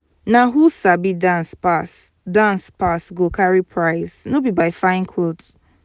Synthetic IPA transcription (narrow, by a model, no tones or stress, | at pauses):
naɦusabidanspa | dãnspasɡokʰaɹipʰɹaɪznobibaɪfãɪ̃nkʰod